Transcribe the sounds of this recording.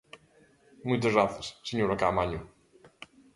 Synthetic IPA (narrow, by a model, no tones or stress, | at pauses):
mujt̪əzɣɾaθjasːeɲoɾaka̰maɲu